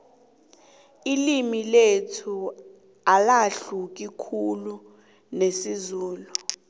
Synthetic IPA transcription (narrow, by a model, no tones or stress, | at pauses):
ilimiletʰu | alaɬuk̬ikʰulu | nesizuːlu